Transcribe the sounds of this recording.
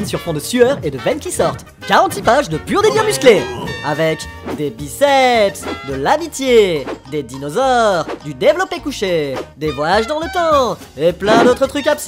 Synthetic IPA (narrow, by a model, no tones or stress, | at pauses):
nsyʁfɔ̃d̪əsyœʁed̪əvɛnkʲisɔʁt̪ | ɡ̥aʁɑ̃t̪ipaʒd̪əpyʁd̪ebjɛ̃myskleavɛkd̪ebisɛpsd̪əlamit̪jed̪ed̪inɔzɔʁd̪yd̪evlɔpekuʃed̪evwajaʒd̪ɑ̃lət̪ɑ̃ | eplɛ̃d̪ot̪χət̪χykaps